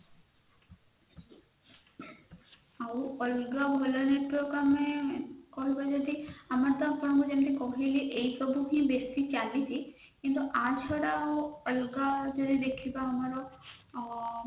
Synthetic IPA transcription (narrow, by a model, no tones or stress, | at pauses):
awəlɡabʱɔlɔneʈpɾoɡamekɔɦibad͡ʒɔd̪iamaɾt̪ɔpɔɾ̃ŋɡud͡ʒemt̪ikɔɦiliʔejpɾɔbʱuɦĩbest̪it͡ʃalit͡ʃʰi | kint̪uʔat͡ʃʰɔɽawəlɡad͡ʒɔd̪id̪ekʰibaamaɾɔ